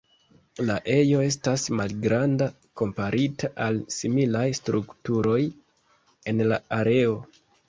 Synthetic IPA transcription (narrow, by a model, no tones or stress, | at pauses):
laʔe̞jo̞e̞s̬tasmalɡɾanda | ko̞mpaɾʔitʰaʔalsimilajstɾuktuɾo̞j | e̞nlaaɾe̞o̞